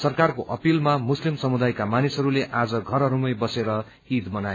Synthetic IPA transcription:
sʌrkarkoʔʌpilmamuslimsʌmud̪ajkamanisɦʌɾuleʔad͡zʌɡʱʌɾʌɾumʌjbʌseɾʌ | id̪bʌna

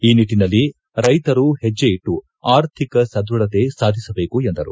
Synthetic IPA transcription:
iːniʈːinɐlːi | ɾɐjt̪ɐɾuhɛd͡ʒːeiʈːu | aːɾt̪ʰikɐsɐd̪uɭɐt̪e̞saːd̪ʱisɐbe̞ːkuend̪ɐɾṵ

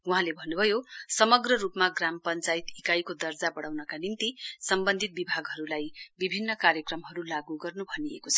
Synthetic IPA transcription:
uɦãlebʱʌnːubʱʌjosʌmʌɡrʌɾupmaɡrampʌnt͡sajit̪ikajkod̪ʌrd͡zabʌɽawnʌkanint̪isʌmbʌnd̪ʱit̪̚bibʱaɡɦʌɾulajbibʱinːʌkaɾjʌkrʌmɦʌɾulaɡuɡʌrnubʱʌniḛkot͡sʰʌ̥

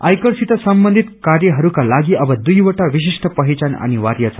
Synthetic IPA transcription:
a̰jkəɾsit̪əsəmbənd̪ʱit̪kaɾjəɦəɾukalaɡiːʔəʋəd̪ujʋəʈaʋiɕiʂʈəpəɦit͡ɕana̰ñiʋaɾjat͡sa

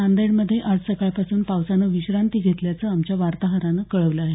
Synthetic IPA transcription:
and̪eɳməd̪ʱːjeʔad͡zsəkaɭpasuːnpawsanəʋiɕɾant̪iːɡʱet̪ljat͡səːamt͡ɕjaʋaɾt̪aɦəɾanəkəɭəʋləaɦe

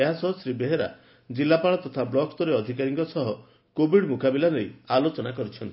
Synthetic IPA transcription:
eɦasɔɦɔsɾibeɦeɾa̰ | d͡ʒilːapaɭɔt̪ɔt̪ʰablɔkst̪ɔɾeɔd̪ʱikaɾiŋkɔsɔɦɔ | kobʱiɽmukabilanejalot͡ʃɔnakɔɾit͡ʃʰɔnt̪i

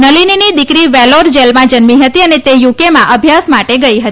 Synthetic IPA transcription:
nəlininid̪ikɾiʋɛloɾd͡ʒelmãd͡ʒənmiɦət̪iənet̪ejukemãʔəbʱjasmaʈeɡəiɦət̪i

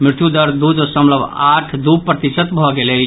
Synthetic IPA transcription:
mɾɪt̪jud̪əɾd̪ud̪səmləbʱaʈʰd̪upɾət̪isət̪bʱɔɡelə

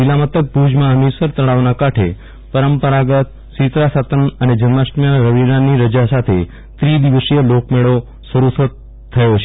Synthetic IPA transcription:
d͡ʒilamət̪ək̚pud͡ʒmãəmisəɾt̪əɭaʋnakaʈʰe | pəɾəmpəɾaɡət̪̚ | sit̪ɾasat̪ənəned͡ʒənmasʈmjanɾəʋiɾaniɾəd͡ʒasat̪ʰe | t̪ɾid̪iʋəsijəlokmeɭo | səɾusət̪ʰː | əjot͡ʃʰe

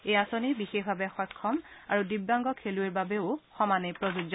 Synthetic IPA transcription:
ejasonibixexbʱabɛxɔjkʰːɔma̰ɹudibːaŋɡɔkʰelueɹbabeʊxɔmanejpɹozuzɔ

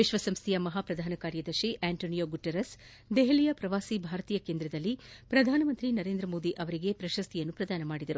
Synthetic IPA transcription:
ʋiʃʋɐsɐmst̪ʰijɐmɐɦaːpɾɐd̪ʱaːnɐkaːɾjɐd̪ɐɾʃiʔɛːɳʈoːnijoːɡuʈːɐɾɐs | d̪eɦelijɐpɾɐʋaːsibʱaːɾɐt̪iːjɐkeːnd̪ɾɐd̪ɐlːipɾɐd̪ʱaːnɐmɐnt̪ɾinɐɾeːnd̪ɾɐmoːd̪iʔɐʋɐɾiɡe̞pɾɐʃɐst̪ʰijɐnːupɾɐd̪aːnɐmaːɽid̪ɐɾu

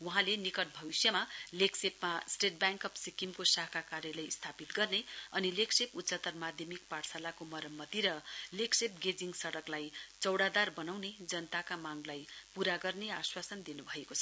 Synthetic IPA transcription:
wuɦãlenikʌʈ̚bʱʌbisjʌmaleksepmasʈeʈ̚bjaŋkʌpsikimkosakʰakaɾjʌlejst̪ʰapit̪ɡʌrneʌnilekseput̪sʌt̪ʌrmad̪ʱjʌmikparsalakomʌɾʌmːʌt̪iɾʌleksep̚ɡed͡ziŋsʌɽʌklajt͡sʌwɽad̪arbʌnawned͡zʌnʌt̪akamaŋlajpuɾaɡʌrneaswasʌnd̪inubʱʌekot͡sʰʌ

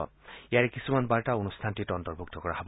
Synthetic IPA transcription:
ɔ̰ijaɹekisumanbaɹtaonustʰantitɔntɔɹbʱuk̚tɔkɔɹaɦɔb

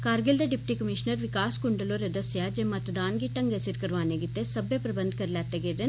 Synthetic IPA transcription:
kaːɾɡild̪ɐɖip̚ʈikɐmiʃnɐɾʋikaːskuɳɖɐloɾɐd̪ɐsjaːd͡ʒemɐt̪d̪aːnɡiʈɐŋɡɐsiɾkɐɾʋaːneːɡit̪ːesɐbjɐpɾɐbɐnd̪ʱkɐɾlaːt̪ːeɡed̪e

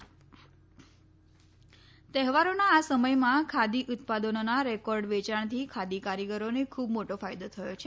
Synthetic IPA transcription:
t̪ɛɦʋaɾonaːsəməjmãkʰad̪iʔʊt̪̚pad̪ənonaɾɛkɔɾɖʋet͡ʃaɳ̃t̪ʰikʰad̪ikaɾjiɡəɾonekʰubmoʈofajd̪ot̪ʰəjot͡ʃʰe

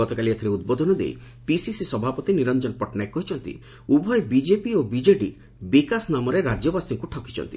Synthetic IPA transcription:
ɔt̪ɔkaliat̪ʰiɾeud̪̚bod̪ʱɔnɔd̪ḛj | pisisisɔbʱapɔt̪iniɾɔnd͡ʒɔnɔpɔʈnaekːɔɦit͡ʃʰɔnt̪ḭ | ubʱɔjbid͡ʒepiobid͡ʒeʈi | bikasnamɔɾeɾad͡ʒjɔbasiŋkuʈʰɔki̥t͡ʃʰɔ̰nt̪i

